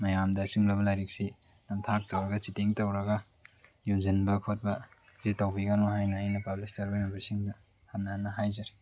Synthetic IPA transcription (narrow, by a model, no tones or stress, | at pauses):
mɐjamdɐsiŋlɐβɐlajɾik̚si | nɐmtʰak̚tɐwɾɐɡɐsitiŋtɐwɾɐɡɐ | juzinbɐkʰot̚bɐ | zetawbiɡanoɦajnɐːjnɐpablistɐɾbajmabɐsiŋdɐ | hannːaanːɐɦajzɐɾi